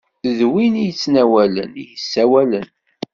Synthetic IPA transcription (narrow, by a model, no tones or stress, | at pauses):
ðwinijət͡sːnæwælə̰nijəsːæwælən